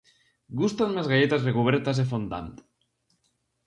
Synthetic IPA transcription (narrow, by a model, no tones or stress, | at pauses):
ɡust̪anmezɣaʎet̪azrekuβ̞eɾt̪azefond̪a̰nt̪